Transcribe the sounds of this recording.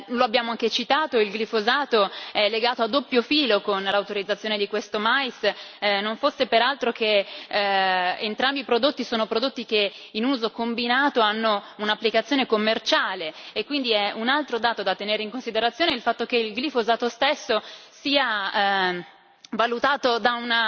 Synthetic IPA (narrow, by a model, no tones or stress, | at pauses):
loabːjaːmoaŋket͡ʃit̪aːt̪oilɡlifozaːt̪oɛlːeɡaːt̪oad̪ːopːjofiːlokonlawt̪oɾid̪zːat̪sjoːned̪ikwest̪omajsnoɱfosːepeɾalt̪ɾoke | ent̪ɾambiːpɾod̪ot̪ːisoːnopɾod̪ot̪ːike | inuːzokombinaːt̪oanːounapːlikat̪sːjoːnekomːert͡ʃaːleekːwind̪iɛunalt̪ɾod̪aːt̪od̪at̪ːeneːɾeiŋkonsid̪eɾat̪sːjoːneilfat̪ːok̟eilɡlifozaːt̪ost̪esːosiːa | valut̪aːt̪od̪auna